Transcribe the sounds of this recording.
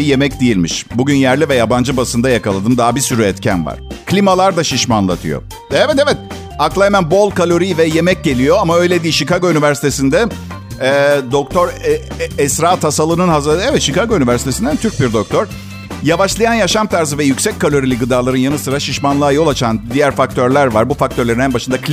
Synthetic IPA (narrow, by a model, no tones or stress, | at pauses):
je̞mɛcd̪ijilʲmḭʃbuɟynjæɾlʲivɛjaband͡ʒɯbasɯnd̪ajakalˠad̪ɯmd̪aɦabisyɾyɛt̪cʰæ̰nva̰ɾ̥kʰlʲimalˠaɾd̪aʃiʃmanlˠa̰t̪ʰɯ̰jo̰ | ɛvɛt̪evɛt̪̚ | aklˠaemænbo̞lˠkalʲo̞ɾivɛje̞mɛc̚ɟe̞lʲijo̞amaø̞jlʲe̞d̪iːʃikaɡoynyvæɾsi̥t̪ʰe̞sind̪ɛ | d̪o̞k̚t̪ʰo̞ɾɛsɾaːt̪hasalˠɯnɯnhazɛvɛt̪ʃikʰaɡoynyvæɾsit̪ʰesind̪ænt̪ʰyɾc̚biɾd̪o̞k̚t̪ʰoɾ̥ | javaʃlˠajanjaʃamt̪ʰæɾzɯvɛjycʲsɛc̚ʲkʰːalʲo̞ɾilʲiɡɯd̪aːlˠaɾɯnjanɯsɯɾaʃiʃmanlˠaːjo̞lˠat͡ʃʰand̪ijæɾfak̚t̪ʰøɾlʲæɾvaɾbufakt̪ʰø̞ɾlʲeɾinɛnbaʃɯnd̪ak